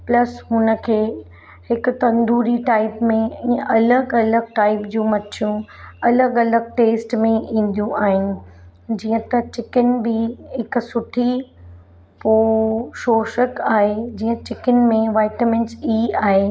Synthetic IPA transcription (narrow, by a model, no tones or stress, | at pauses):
plɐsɦʊnə̆kʰeː | hɪkʊ̆t̪ɐ̃nd̪ʱuːɾiʈaːɪpmẽĩːə̃ʔɐləɡɐləɡ̚ʈaːɪpd͡ʑũːmɐtʰijũɐləɡɐləɡ̚ʈeːsʈmẽĩːn̆d̪ijũʔaːɦɪnɪ̆ | d͡ʑiːə̃t̪ɐt͡ɕɪkənbɪɦɪksʊʈʰi | poːʃoːʃəkaːɦed͡ʑiːə̃t͡ɕɪkənmẽʋaːɪʈəmɪ̃nsiaːɦe